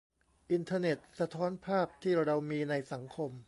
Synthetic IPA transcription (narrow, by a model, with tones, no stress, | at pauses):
ʔi˧nt̪ʰaː˧ne˨˩t̪̚sa˧t̪ʰɔː˦˥npʰaː˥˩p̚t̪ʰiː˥˩ɾa˧wmiː˧na˧jsa˩˦ŋkʰo˧m